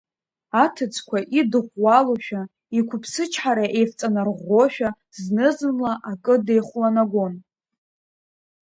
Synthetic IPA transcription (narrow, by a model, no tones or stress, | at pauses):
atʰɨt͡sʰʼkʷʰaʔidɨχʷwaloʃᶣa | ikʷʰʊpʰsɨt͡ʃʰħaɾaʔe̞jft͡sʼanarʁʷoʃᶣa | znɨzɨnlaʔakʼɨde̞jχʷlanaɡʷo̞n